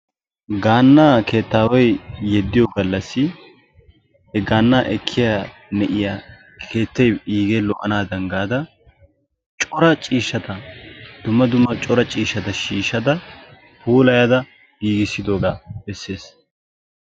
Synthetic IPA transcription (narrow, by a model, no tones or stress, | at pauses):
ɡaːnːaːkʰe̞ːt̪ːaːwɐjjɛd̪ːɪjɔɡɐlːɐsːɪ | ɛɡaːnːaːʔɛkʰːɪjaːnɛʔɪja | kʰe̞ːt̪ːɛjiːɡɛlɔʔːɐnaːd̪ɐŋɡaːd̪ɐ | t͡ʃʼɔɾɐt͡ʃʼiːʃːɐt̪ɐd̪̥ʊmːɐd̪ʊmːɐt͡ʃʼɔɾɐt͡ʃʼiːʃːɐt̪ɐʃiːʃːɐd̪ɐ | puːlɐjad̪ɐ | ɡ̥iːɡɪsːɪd̪oːɡaːbɛsːe̞ːs